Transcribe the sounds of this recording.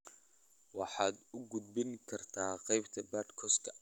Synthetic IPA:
wɑħɑːd̪ʊɡʊd̪̚bɪŋkʰɐrt̪ʰaːqɛjbt̪ʰɐbaːd̪kʰɔskʰɐ

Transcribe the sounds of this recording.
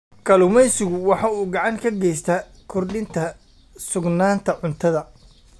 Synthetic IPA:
kʰɐlʊmɛjsɪɣʊwɑħɑuːɡɑʕɑŋkʰɐɡɛjst̪ʰɐ | kʰʊrɖɪnt̪ʰɐ | sʊɡnaːnt̪ʰɐʕʊnt̪ʰɐðɐ

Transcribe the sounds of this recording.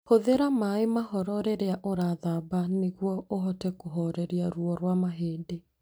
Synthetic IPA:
hoðeɾamaemahɔɾɔɾɛɾeaʔoɾaðabaneɣwɔʔoɦɔtɛkoɦɔɾɛɾiaɾuɔɾwamaɦeːde

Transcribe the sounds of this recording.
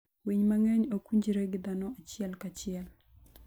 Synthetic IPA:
wiɲmaŋɛɲokuɲd͡ʒiɾeɡɪd̪anɔat͡ʃɪɛlkat͡ʃɪɛl

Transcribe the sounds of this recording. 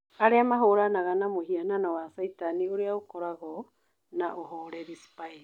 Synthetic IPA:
aɾeamaɦoɾanaɣanamohiananɔwasaitanioɾeaokoɾaɣɔ | naʔoɦoɾeɾisi̥pai

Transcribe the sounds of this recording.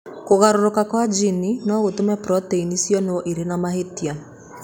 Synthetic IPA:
koɣaɾoɾokakwad͡ʒininɔɣotomɛpɾɔteinisjɔnɔʔiɾenamaɦetia

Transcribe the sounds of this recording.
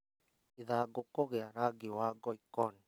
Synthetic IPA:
iðaɡokɔɣeaɾaɡɪwaɡɔikɔn

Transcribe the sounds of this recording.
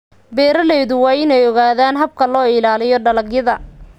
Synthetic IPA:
bɛːɾɐlɛjðʊwɑːɪnɛjɔɣaːðaːnɦɐb̚kʰɐlɔːɪlaːlɪjɔɖɐlɐɡjɐðɐ

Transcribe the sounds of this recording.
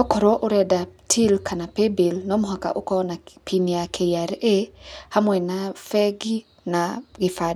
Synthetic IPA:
ɔkɔɾɔʔoɾɛdatʰilkʰanapebelnɔmʊɦaka̰ʔokɔnapʰiniakʰejaɾehamwɛnafɛɡi | naɡɪfad

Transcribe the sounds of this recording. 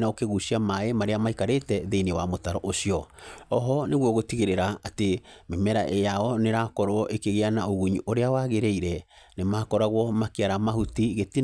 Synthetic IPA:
naokeɣusiamaemaɾeamaikaɾetɛðeinewamotaɾɔʔosiɔɔɦɔneɣwɔɣotiɣeɾeɾaatememɛɾa̰ʔejaɔneɾakɔɾɔʔekeɣeanaoɣuɲiʔoɾeawaɣeɾeiɾɛ | nemakɔɾaɣwɔmakiaɾamahutiɣeti

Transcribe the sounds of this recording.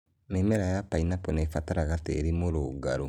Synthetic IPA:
nemɛɾajapainapɔnefataɾaɣateːɾimoɾoːɡaɾo

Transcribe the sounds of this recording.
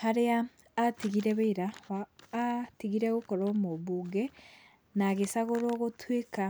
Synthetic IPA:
haɾeaː | tiɣiɾɛβeiɾaβaː | tiɣiɾɛɣokɔɾomoβuːɡɛ | naɣesaɣoɾoːɣotweka

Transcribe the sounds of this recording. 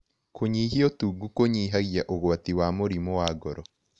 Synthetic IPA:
koɲiɦijɔtuɡukoɲiɦaɣiaʔoɣwatiwamoɾimowaːɡɔɾɔ

